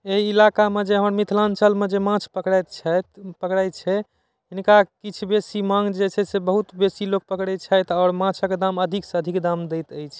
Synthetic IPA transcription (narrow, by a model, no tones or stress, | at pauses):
eɦiilakamed͡ʒeɦəməɾmit̪ʰlant͡ʃəlmed͡ʒemãt͡ʃʰpəkɽat̪t͡ʃʰɛt̪pəkɽajt̪̚t͡ʃʰɛ | ɦinkakit͡ʃʰbesimãŋɡd͡ʒet͡ʃʰɛsebəɦut̪besilok̚pəkɽɛt͡ʃʰəjt̪ʰɔːɾmãt͡ʃʰəked̪aməd̪ʱiksəd̪ʱikd̪amd̪ɛjt̪əjt͡ʃʰ